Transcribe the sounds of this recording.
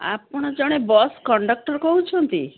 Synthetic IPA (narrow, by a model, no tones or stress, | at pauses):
a̰pɔɽ̃ɔd͡ʒɔɽ̃ebɔskɔɳɖɔk̚ʈɔɾkɔɦut͡ʃʰɔnt̪i